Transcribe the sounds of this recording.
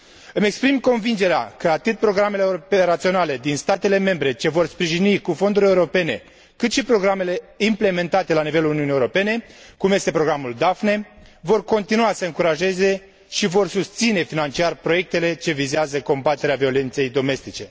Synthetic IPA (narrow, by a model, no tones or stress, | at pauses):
ɨme̞kspɾimko̞nvind͡ʒe̞ɾea̰kəat̪ɨt̪̚pɾo̞ɡɾame̞leɾopeɾat̪sio̞nale̞d̪inst̪at̪e̞le̞me̞mbɾe̞t͡ʃe̞vo̞rspɾiʒinikufo̞nd̪uɾʲe̞uɾo̞pe̞ne̞ | kɨt̪ʃipɾo̞ɡɾame̞le̞imple̞me̞nt̪at̪e̞laniveluluniunijeuɾo̞pe̞ne̞kumje̞st̪epɾo̞ɡɾamuld̪afne̞vo̞rko̞nt̪inuasəɨŋkuɾaʒe̞ze̞ | ʃivo̞rsust̪sine̞finant͡ʃiarpɾo̞je̞k̚t̪e̞le̞t͡ʃe̞vizeazəko̞mbat̪e̞ɾeavio̞le̞nt̪se̞jd̪o̞me̞st̪it͡ʃe̞